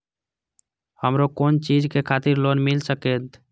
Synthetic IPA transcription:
həmɾokoːnt͡ʃiːd͡ʒkekʰaːt̪ɪɾloːnmɪlsəkeːt̪

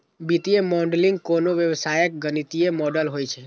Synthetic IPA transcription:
bit̪iemɔɳɖliŋɡ̚konoʋjəʋsajək̚ɡənit̪iemɔɖəlɦojt͡ʃʰe

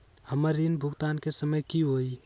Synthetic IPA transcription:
həməɾːinbʱuɡt̪ankesəməjkiɦoj

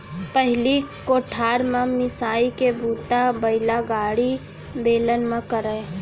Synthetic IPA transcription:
pəɦɪlikoːʈʰaːɾmãmɪsaːikebʱuːt̪abəɪlaɡaːɽi | beːlənmə̃kəɾə

